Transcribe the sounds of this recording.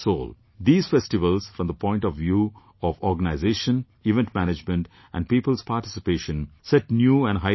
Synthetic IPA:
soːl | d̪iːz̥fɛsʈɪʋəlz̥fɾɔ̃md̪əpʰɔ̃ɪ̃ɳʈɔʋʋjuː | ɔʋɔɾɡənaɪzeːʃə̃n | iʋɛ̃nʈmæñɪd͡ʒmə̃nʈ | ʔæ̰̃nɖ̚piːpəlspaːɾʈɪsɪpeːʃə̃nsɛʈnjuːæ̃nɖɦaɪ

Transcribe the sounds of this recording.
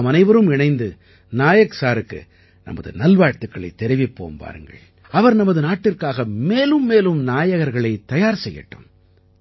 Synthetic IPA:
mɐnɐɪʋɐɾɯmɪɳɐɪnd̪ɯ | naːjɐksaːɾɯkːɯ̰ | nɐ̰mɐ̰ðɯ̰nɐlʋaːɾt̪ɯkːɐɭɐɪt̪ːɛɾɪʋɪpːo̰ːmpa̰ːɾɯŋɡɐ̰ɭ | ɐʋɐɾnɐmɐðɯnaːʈːɪrkaːɣɐmeːlɯmːeːlɯmnaːjɐɣɐɾɣɐɭɐɪt̪ɐjaːɾsɛjːɐ̰ʈːɯ̰m

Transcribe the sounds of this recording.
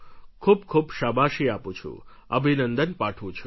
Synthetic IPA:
kʰubkʰubʃabaʃiapũt͡ʃʰṵə̰bʱinənd̪ənpaʈʰʋũt͡ʃʰu

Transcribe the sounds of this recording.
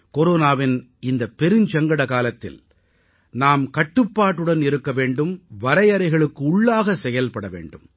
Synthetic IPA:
koɾoːnaːʋɪnɪnd̪ɐpɛɾɯɲt͡ʃɐŋɡɐɽɐkaːlɐt̪ːɪ̰l | naːmkɐʈːɯpːaːʈːɯɽɐnɪɾɯkːɐʋeːɳɖɯmʋɐɾɐɪɐɾɐɪɣɐɭɯkːɯʊɭːaːɣɐsɛjɐlpɐɽɐʋḛːɳɖɯm

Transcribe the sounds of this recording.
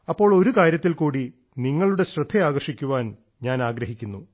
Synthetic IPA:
ɐpːo̞ːɭo̞ɾukaːɾjɐt̪ːilkuːɽi | niŋːɐɭuɽe̞ɕrɨd̪ʱːeaːɣɐrʂikʲːuʋaːn | ɲaːnaːɡɾɐɦikʲːunːu

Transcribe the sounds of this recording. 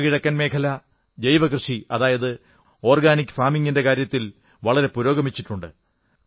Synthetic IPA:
kiɻɐkːɐnme̞ːkʰɐlɐ | d͡ʑejʋɐkrɨʂiɐðaːjɐðɨ | o̞ːrɡaːnikʲːfaːmiŋːinde̞kaːɾjɐt̪ːil | ʋɐɭɐɾe̞puɾo̞ːɡɐmit͡ɕːiʈːuɳɖɨ̰

